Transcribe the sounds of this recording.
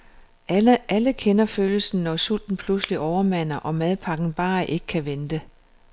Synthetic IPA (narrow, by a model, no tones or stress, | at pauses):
ʔæləkʰenɐføːləsn̩ːɒsul̰d̥n̩pʰlusliʔɒʊɐmæn̰ɐʔɒ̽mæð̞ˠpʰɑ̈ɡ̥n̩b̥ɑ̈ːʔe̝ɡ̥əkʰæʋend̥ə